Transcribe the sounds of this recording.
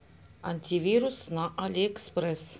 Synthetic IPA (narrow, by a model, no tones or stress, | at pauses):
anʲt̪ʲivʲiɾusənɑʔalʲekspres